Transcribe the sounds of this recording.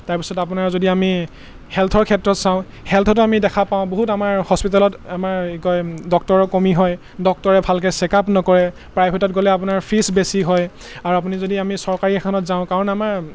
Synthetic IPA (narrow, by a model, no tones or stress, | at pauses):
taɹpi̥sɔtap̬unaɹzodiami | hɛlt̪ʰɔɹkʰɛtɹɔtsãʊ̃ | hɛlt̪ʰɔt̬ʊamidɛkʰapãʊ̃boɦutamaɹhɔspitalɔtamaɹkɔdɔk̚tɔɹɔkomiɦɔj | dɔk̚tɔɹɛbʱalk̬ɛsɛkapnɔkɔɹɛ | pɹajpʰetɔtɡolɛap̬unaɹpʰɹisbesiɦɔj | aɹuapunizodiamisɔɹkaɹiɛkʰɔnɔtzãʊ̃kaɹɔnamaɹ